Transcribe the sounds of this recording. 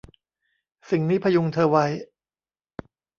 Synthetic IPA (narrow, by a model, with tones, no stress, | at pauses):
si˨˩ŋniː˦˥pʰa˧ju˧ŋt̪ʰɤː˧wa˦˥j